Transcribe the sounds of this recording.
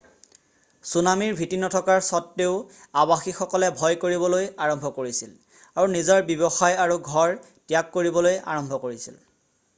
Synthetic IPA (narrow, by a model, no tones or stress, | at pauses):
sunamiɹbʱitinɔtʰɔkaɹsɔtːeʊ | abaxixɔkɔlɛbʱɔjkoɹibɔlojaɹɔmbʱɔkoɹisil | aɹunizɔɹbibɔxajaɹuɡʱɔɹ | tjakːoɹibɔloja̰ɹɔmbʱɔkoɹisḭl